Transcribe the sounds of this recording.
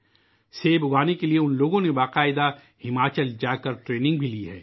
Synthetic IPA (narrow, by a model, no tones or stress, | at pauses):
seːbʊɡaːnekelieʊnloːɡõnebaːqaːɪd̪a | hɪmaːt͡ʃəld͡ʒaːkɐɾʈɾeːnɪ̃ŋɡbʱiliɦɛ̰ː